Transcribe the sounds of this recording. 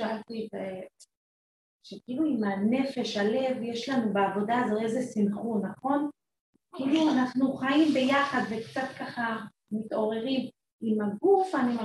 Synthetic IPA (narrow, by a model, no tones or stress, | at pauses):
aalt̪it | ʃekiiluimane̞fe̞ʃale̞vje̞ʃlanubeavo̞daːzoezesimχunːaχo̞n | kiːluanaχnuχaimbe̞jaχadve̞kt͡sat̪kaχa | mito̞ʁe̞ʁim | imaɡufanim